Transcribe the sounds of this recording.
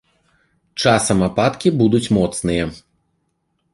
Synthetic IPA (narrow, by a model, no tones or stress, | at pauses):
t͡ʂasɐmapat̪kʲibud̪ut͡sʲmɔt̪snɨjɐ